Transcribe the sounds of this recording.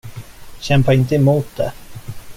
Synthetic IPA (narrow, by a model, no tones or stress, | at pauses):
ɕɛmpaɪnt̪̬əɛmuːt̪̚d̪ɛ̰